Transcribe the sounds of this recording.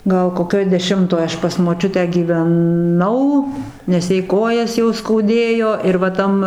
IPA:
ˈɡɐlˠ koːˈkʲoːj dʲɛˈʃʲɪmtoːj ˈɐʃ pɐs moːˈt͡ʃʲʊtʲæː ɡʲiːʋʲɛˈnɐʊ nʲɛs ˈjɛɪ ˈkoːjɛs jɛʊ skɐʊˈdʲeːjoː ɪr ʋɐ ˈtɐm

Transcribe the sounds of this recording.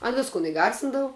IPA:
ɐn ˈʋʲɪskʊn ɪˈɡɐrʲsʲɪndɐʋʊ

